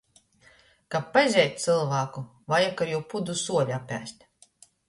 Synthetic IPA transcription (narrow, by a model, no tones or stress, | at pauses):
kapːazʲɛːt̪̚ʲt̪sɨlˠvaːku | vajakaɾjupud̪usuɔlʲapʲæ̰sʲt̪ʲ